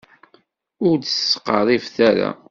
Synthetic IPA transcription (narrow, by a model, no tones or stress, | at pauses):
ʊɾd̪əsqɑɾˤifθæɾa̰